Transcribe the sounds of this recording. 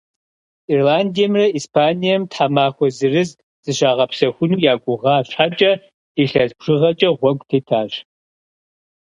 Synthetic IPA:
irlaːndijɛmrɐispʰaːnijɛmtħamaːxʷɔzɨrɨz | z̥ɨɕaːʁɐpsɐxʷʊnuːjaːkʷʼʊʁɑːɕħat͡ʃʼɐ | iɬɐzbʐ̥ɨʁɐt͡ʃʼɐʁʷɔɡʷʼtʰeːtʰaːɕ

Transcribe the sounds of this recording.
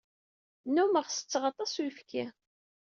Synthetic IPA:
numəʁsə̥t͡sːʁɑt̪ˤɑsujfkʰæ

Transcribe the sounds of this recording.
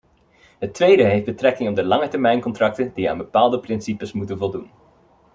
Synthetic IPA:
ɦətʋejdəɦefd̚bətrɛkɪŋɔb̚dəlɑŋətɛɹmɛjnkɔntrɑk̚təndia̰ːnbəpaːlˠdəprɪnsipəsmutənvɔlˠdun

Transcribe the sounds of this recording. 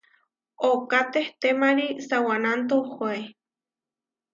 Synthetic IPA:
okat̪eht̪emaɾisawanant̪̬ohʷae

